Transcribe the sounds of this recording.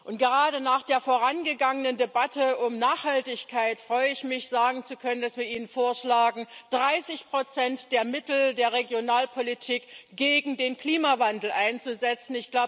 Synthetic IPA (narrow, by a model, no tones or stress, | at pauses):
ʔʊntɡ̥əʁaːdənaːχd̥eːɐfoːʁanɡəɡaŋənəndebatəʊmnaːχhaltɪçkʰaɪtfʁ̥ɔʏəɪçmɪçz̥aːɡŋ̩t͡sukʰœnənd̥asv̥iːɐʔiːnənfoːɐʃlaːɡŋ̩d̥ʁaɪsɪçpʁ̥ot͡sɛntd̥eːɐmɪtl̩deːɐʁeɡjonaːlpʰolitʰiːkɡ̥eːɡŋ̩deːnkl̥iːmavandl̩ʔaɪnt͡suzɛt͡sn̩ɪçɡ̥laʊ